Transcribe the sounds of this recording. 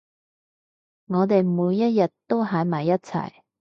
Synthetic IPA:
ŋɔː˨˧t̪̬e˨jmuː˨˧jːɐ˥t̚jɐ˨tt̪ːo˥wɦaː˨˧˥jmaː˨˩jːɐ˥t̚t͡sʰɐ̰˨˩j

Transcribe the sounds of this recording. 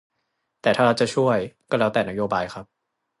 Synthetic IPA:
t̪ɛː˨˩t̪ʰaː˥˩ɾa˧˥˩wt͡ɕa˨˩t͡ɕʰu˥˩əjkɔː˥˩ɾɛ˦˥˩t̪ɛː˨˩na˦˥joː˧baː˧jxʰa˦˥p̚

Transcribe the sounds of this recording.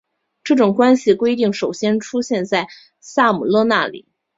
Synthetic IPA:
ʈ͡ʂɤ˥˩ʈ͡ʂʊ˨˩ŋkwa˥nɕi˨kwe˥ɪt̪̬i˥˩ŋʂo˨˩ʊɕjɛ˥nʈ͡ʂʰu˥ɕjɛ˥˧nt͡sa˥˩ɪ | sa˥˩mu˨˩lwɤ˥˧na˥˩lḭ˨˩˦

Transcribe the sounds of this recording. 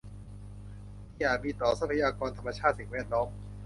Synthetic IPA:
jaː˨˩miː˧t̪ɔː˨˩sa˦˥pʰa˧jaː˧kɔː˧nt̪ʰa˧mːa˧t͡ɕʰaː˥˩t̪̚si˨˩ŋwɛː˥˩t̪̚nlɔː˦˥m

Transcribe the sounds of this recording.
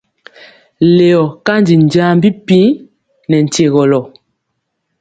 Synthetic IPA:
le˨ɔ˨ka˦n˦di˨n̩˨daː˦m˦bi˦pĩ˦ | nɛ˨n̩˨te˨ɣɔ˨lɔ˨

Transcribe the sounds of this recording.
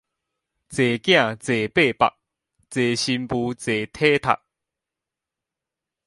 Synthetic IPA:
t͡se˨˩kjã˥˨t͡se˨˩pe˥˨pa̰˨k̚ | t͡se˨˩ɕi˧mpu˧t͡se˨t̪ʰe˦t̪ʰa̰˨k̚

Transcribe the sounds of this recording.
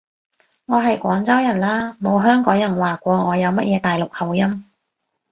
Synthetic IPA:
ŋɔː˨˧ɦɐ˨jkʷɔː˨˥ŋt͡sɐ˥wjɐ˨˩nlaː˥mo˨˧wɦœː˥ŋkɔː˨˥ŋjɐ˨˩nwaː˨kʷɔː˧ŋɔː˨˧jɐ˨˧wmɐ˥t̚jɛː˨˧t̪aː˨˩jlʊ˨k̚hɐ˨˩wjɐ˥m

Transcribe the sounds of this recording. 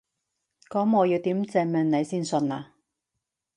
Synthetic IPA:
kɔː˨˥mːɔː˨˧jiː˧wt̪iː˨˥mt͡sɛː˧mɛ˨˧nne˨˧jsiː˥nsɵ˧naː˧

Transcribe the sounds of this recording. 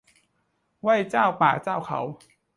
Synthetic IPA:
wa˥˩jt͡ɕaː˥˩wpaː˨˩t͡ɕaː˥˩˨wkʰa̰˩˦w

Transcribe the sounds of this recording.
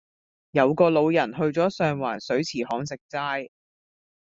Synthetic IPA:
jɐ˨˧wkɔː˧lo˨˧wjɐ˨˩nɦɵ˧ɥt͡sɔː˨˥sœː˧ŋwaː˨˩nsɵ˨˥ɥt͡sʰiː˨˩hɔː˨˥ŋs̬ɪ˨k̚t͡saː˥j

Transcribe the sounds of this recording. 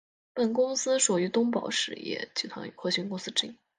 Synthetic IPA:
pə˨˩nk̬ʊ˥ŋsɹ̩˥ʂu˨˩y˧˥t̪ʊ˥ŋpɑ˨˩ʊʂɻ̩˧˩jɛ̰˥˩t͡ɕi˨˩t̪ʰwa̰˧˥ŋ˧xwɔ˥˩ɕy˥nkʊ˥ŋsɹ̩˥ʈ͡ʂɻ̩˥˩i˥˩

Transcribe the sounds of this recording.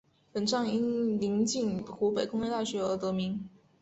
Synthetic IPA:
pə˨˩nʈ͡ʂɑ˥˧ŋi˥nli˧˥ŋt͡ɕi˥˩nxu˧˥pe˨˩ɪkʊ˥ŋle˥˧t̪a˥˩ɕɥɛ˧˥ə˧˥t̪ɤ˧˥mi˧˥ŋ

